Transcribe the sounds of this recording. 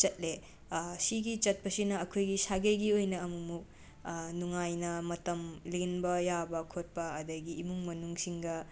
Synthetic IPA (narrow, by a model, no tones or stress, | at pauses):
t͡ʃɐt̚le | siɡit͡ʃɐt̚pɐsinɐːkʰojɡisaɡejɡiojnɐːmumuk̚ | nuŋajnɐmɐtɐmlenbɐjabɐkʰot̚pɐːdɐɡiːmuŋmɐnuŋsiŋɡɐ